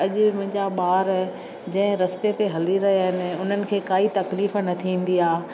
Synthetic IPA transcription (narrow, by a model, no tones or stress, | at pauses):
ɐʄɪmʊ̃ɦɪ̃ɲd͡ʑaɓaːɾ | d͡ʑɐ̃ɦɪ̃ɾɐst̪et̪ʰeɦɐliɾɐɦiaːɦɪnɪ̆ʊn̤ənɪ̆kʰeːkaːit̪ɐkliːfnɐt̪ʰĩːn̆d̪iaː